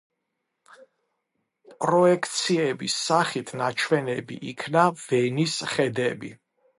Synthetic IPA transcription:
pʼɾɔɛkʰt̪sʰiɛbisːaχit̪ʰnat͡ʃʰwɛnɛbḭʔikʰnavɛnisχɛd̪ɛbi

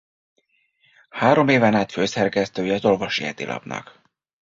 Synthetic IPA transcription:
haːɾo̞meːvɛnaːt̪føːsɛrkɛst̪øːjɛɒzo̞lvoʃiɛd̪ilʔɒ̰bnɒ̰k

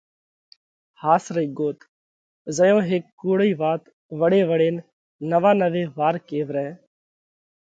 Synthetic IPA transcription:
haːsɾəiːɡoːt̪ | zəjõːɦeːkːuːɽiːʋaːt̪ | ʋəɽeːʋəɽeːn | nəʋaːnəʋeːʋaːɾkeːʋɾɛ̃ː

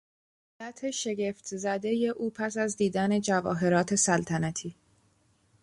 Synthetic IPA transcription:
læt̪ʰeʃe̞ɟe̞ft̪ʰzæd̪e̞je̞ʔuːpʰæsæzd̪iːd̪æne̞d͡ʒævɒ̰ːɦe̞ɾɒːt̪ʰe̞sælt̪ʰænæt̪ʰiː

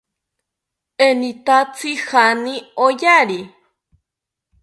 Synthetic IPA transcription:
enit̪at͡sihaniojaɾi

